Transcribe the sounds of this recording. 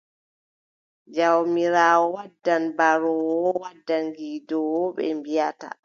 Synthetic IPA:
d͡ʒawmiɾaːwɔwadːanbaɾɔwɔwadːanɡiːdɔwɔɓɛ̰mbijata̰

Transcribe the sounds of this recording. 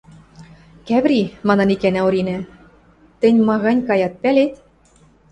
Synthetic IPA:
kæβɾimɑnɑ̆nikænæoɾinæ̆ | t̪ɘ̆nʲmɑɣɑnʲkɑjɑt̪̚pælet̪

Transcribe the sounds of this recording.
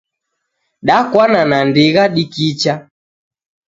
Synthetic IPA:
ɗakwananandiɣaɗikit͡ʃa

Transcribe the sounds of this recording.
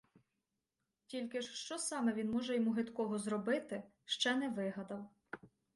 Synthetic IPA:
tʲilʲkɪʃʃt͡ʃɔsɑmɛʋʲinmɔʒɛjɔmuɦɪd̪kɔɦɔzɾɔbɪt̪ɪ | ʃt͡ʃɛnɛʋɪɦɐd̪ɐw

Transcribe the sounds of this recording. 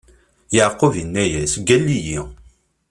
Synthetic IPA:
jəʕqːovinːæjæsɡælːiji

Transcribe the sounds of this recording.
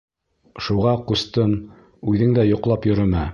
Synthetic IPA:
ʃuʁɑqust̪ɤn | ʉðɘŋd̪æjŏqlˠɑpjɵ̆ɾɵ̆mæ

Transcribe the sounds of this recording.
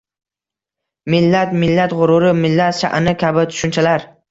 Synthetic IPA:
mɪlːat̪mɪlːat̪ʁʊɾʊɾɪmɪlːat̪ʃa̰ʔɪnɪkʲʰabɪt̪ʰʊ̥ʃʊnt͡ʃʰalaɾ

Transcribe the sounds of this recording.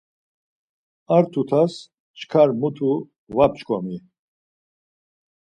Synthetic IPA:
aɾt̪ʰut̪ʰas | t͡ʃʰkʰaɾmut̪ʰu | vap̚t͡ʃkʰʼɔ̰mi

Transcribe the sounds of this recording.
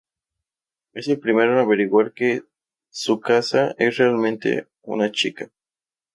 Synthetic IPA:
e̞se̞lpɾimeɾonaβeɾiɣwaɾke̞ | sukasaʔesrealmẽnt̪e̞̰ | ṵnat͡ʃika

